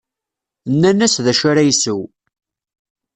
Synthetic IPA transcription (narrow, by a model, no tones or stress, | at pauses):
nːænæsðæʃaɾæjsəw